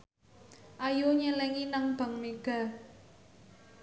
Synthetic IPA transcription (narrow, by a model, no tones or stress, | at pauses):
ʔajoɲəlɛŋinaŋb̥a̤ŋmeɡ̥a̤